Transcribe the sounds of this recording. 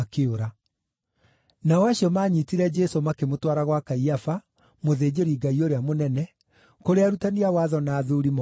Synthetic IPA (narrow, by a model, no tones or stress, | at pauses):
akeoɾa | naɔaɕiɔmaːɲitiɾɛd͡ʒɛsomakemotwaɾaɣwakaiafa | moðeːd͡ʑeɾiɡaioɾeamonɛnɛ | koɾeaɾutaniawaðɔnaːðuɾimɔ